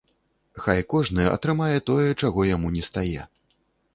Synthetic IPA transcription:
xajkɔʐnɨjɛʔɐ̰t̪ɾɨmajɛt̪ɔjɛt͡ʂaɣɔjamunʲɛst̪ajɛ

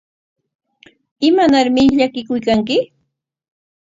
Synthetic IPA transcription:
ɪmanaɾmɪʎakɪkʊjkaŋkɪ

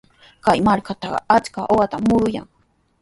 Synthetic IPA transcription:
kajmaɾkat̪ɑɢɑ̰at͡ʃkaʔoɢɑt̪amːʊɾʊja̰ŋ

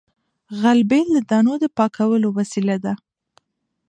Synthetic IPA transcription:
ɣalbeld̪əd̪ɑnod̪əpɑkʰawəlowasilad̪a

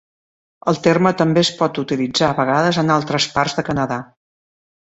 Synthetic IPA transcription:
əlˠt̪ermət̪əmbespɔt̪ut̪ilid͡zaːβəɣ̞aðəzənalˠt̪ɾəsparzðəkənəða

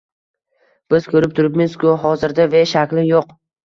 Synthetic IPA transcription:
b̥ɪz̥kʰɵɾɪp̚t̪ʰʊɾɪpmɪskʊɦɒzɪɾd̪aveʃakʲlɪjoq

